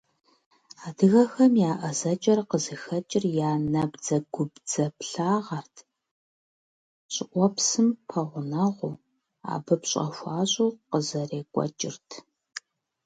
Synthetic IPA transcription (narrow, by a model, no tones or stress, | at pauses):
aːdɨɣɐxɐmjaːʔɐzɐt͡ʃʼɐrqəzɨxɐt͡ʃʼɪrjaːnɐbd͡zɐɡʷʊbd͡zɐpɬaːʁɐrtʰ | ɕʼɪʔʷɔpsɨmpʰɐʁʷʊnɐʁʷʊ | a̰ːbɨpɕʼɐ̰ʃʷɑːɕʼuqəzɐreːkʷʼɔ̰t͡ʃʼɪ̰rtʰ